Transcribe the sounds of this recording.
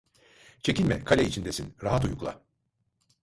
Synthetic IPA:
t͡ʃʰe̞cilʲmɛ̰kʰalʲɛit͡ʃʰind̪esinɾaɦat̪ujuklˠa̰

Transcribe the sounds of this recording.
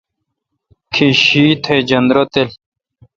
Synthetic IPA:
kʰiɕiːt̪ʰed͡ʑɐnd̪ɾot̪el

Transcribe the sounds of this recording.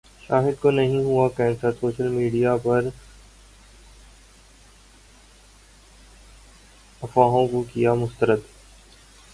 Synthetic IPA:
ʃa̰ːɦɪd̪konɐɦĩɦuakɛ̃ːnsəsoːʃəlmiːɖijapɐɾ | ɐfaːɦõkokijamʊst̪əɾəd̪

